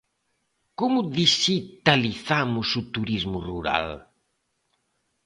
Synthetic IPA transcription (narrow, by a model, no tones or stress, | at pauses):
komʊðiʃit̪aliθamʊsut̪uɾizmʊruɾa̰l